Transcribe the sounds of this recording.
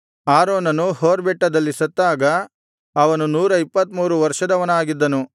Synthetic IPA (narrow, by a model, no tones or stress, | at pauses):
aːɾoːnɐnuhoːɾbɛʈːɐd̪ɐlːisɐt̪ːaːɡɐː | ʋɐnunuːɾɐipːɐt̪muːɾuʋɐɾʂɐd̪ɐʋɐnaːɡid̪ːɐnu